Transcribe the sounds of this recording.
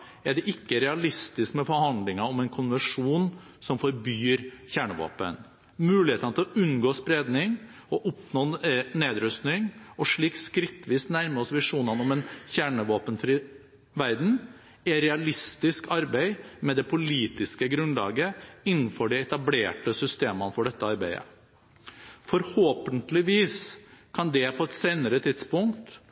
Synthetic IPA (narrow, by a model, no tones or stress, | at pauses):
ɛɖɛʔɪkːəɾɛɑlɪst̪ɪskmɛfɔɾhɑnd̪lɪŋɑɔmɛɪnkʰʊnʋəʂuːn | sɔmfɔɾbyːɾçæːɳəʋo̰ːpə̰n | mʉːlɪheːt̪ɑnət̪ʰɪlɔʔʉnɡoːspɾeːd̪nɪŋ | ɔʔʊpnoːneːd̪ɾʉst̪nɪŋɔʂɭiːkskɾɪt̪ːʋiːsnæɾməɔsʋɪʂuːnɑnɔmɛnçæɳəʋoːpənfɾiː | ʋæɾd̪n̩ | ɛɾɛɑlɪst̪ɪskɑɾbæɪmɛd̪ɛpʰʊliːt̪ɪskəɡɾʉnlɑ̰ːɡəɪnːn̩fɔɖɛɛt̪ɑbleːʈəsʏst̪eːmənfɔɖɛt̪ːəɑɾbæɪə̰ | fɔɾhoːpənt̪lɪʋiːskʰɑnd̪ɛpʰɔɛt̪seːnəɾət̪ʰɪt̪spʊŋkt̪